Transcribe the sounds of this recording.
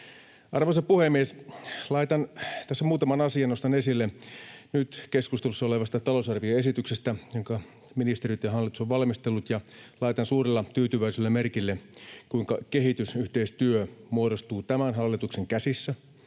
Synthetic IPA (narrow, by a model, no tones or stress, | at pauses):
ɑrʋosɑpuhemːieslɑit̪ɑnt̪æsːæmuːt̪ɑmɑnɑsiɑnost̪ɑnesilːenyt̪ke̞skust̪elusːɑoleʋɑst̪ɑt̪ɑlosɑrʋioe̞sit̪yksest̪æjoŋkɑ | minist̪eɾit̪jɑɦɑlːit̪u̥soʋʋɑlmist̪elːut̪jɑlɑit̪ɑnsuːrelːɑt̪yːt̪yʋæiselːemerkilːekuiŋkɑkeɦit̪ysyht̪eist̪yømuoɾost̪uːt̪æmænɦɑlːit̪ukse̞ŋkæsisːæ